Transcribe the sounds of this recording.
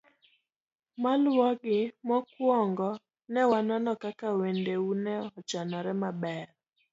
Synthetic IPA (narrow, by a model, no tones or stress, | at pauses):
malwɔɡɪmɔkwɔŋɡɔ | nɛwananɔkakawendeunɛɔt͡ʃanɔɾɛmabɛr